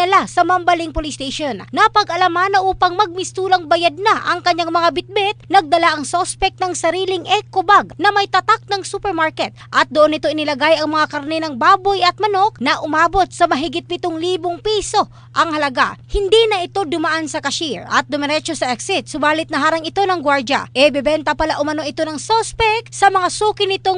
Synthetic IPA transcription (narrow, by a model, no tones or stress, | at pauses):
ɐlasɐmɐmbɐlɪŋpolɪst̪eʃonːɐpɐɡʔɐlɐmanɐʔuːpɐŋmɐɡ̚mɪst̪uːlɐŋbɐjad̪̚naʔɐ̰ŋkɐɲːaŋmɐŋabɪt̪̚bɛt̪̚nɐɡ̚d̪ɐlaʔɐŋsospɛk̚t̪nɐŋsɐɾiːlɪŋʔɛkːʊbaɡ̚nɐmɐjt̪ɐt̪ak̚nɐŋsupɛɾmaɹkɛt̪̚ʔɐt̪̚d̪oʔonːɪt̪o̞ʔɪnɪlɐɡajʔɐŋmɐŋakɐɾnɛnɐŋbaːbo̞jʔɐt̪̚mɐno̞k̚nɐʔʊmaːbo̞t̪̚sɐmɐɦɪɡɪt̪̚pɪt̪oŋliːboŋpiːso̞ | ʔɐŋhɐlɐɡa̰hɪnd̪inɐʔɪt̪o̞d̪ʊmɐʔansɐkɐʃiɹɐ̰t̪̚d̪ʊmɛɾɛt͡ʃosɐʔɛksɪt̪̚sʊbaːlɪt̪nɐɦaːɾɐŋɪt̪o̞nɐŋɡwaɾd͡ʒɐ̰ʔɛbɛbɛnt̪ɐpɐlaʔʊmɐno̞ʔɪt̪o̞nɐŋsospɛk̚sɐmɐŋasuːkɪnɪt̪oŋ